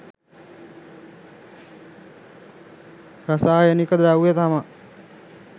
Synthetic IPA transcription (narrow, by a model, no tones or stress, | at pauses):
ɾasaːjənikəd̪ɾawujet̪ama